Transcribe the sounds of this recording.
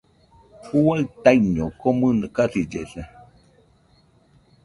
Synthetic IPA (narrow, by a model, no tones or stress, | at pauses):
huaɨt̪aiɲokomɨnakasid͡ʒeɬe